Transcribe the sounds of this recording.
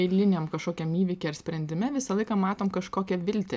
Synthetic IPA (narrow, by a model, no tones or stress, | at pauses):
ɛɪlʲɪnʲeːmkɐʃkoːkʲɛmiːʋʲiːkʲɛɐɾsʲpʲɾʲɛnʲd̪ʲɪmʲɛʋʲɪsɐlˠɐɪkɑmɑːt̪oːmkɐʃkoːkʲɛʋʲɪlʲt̪ʲe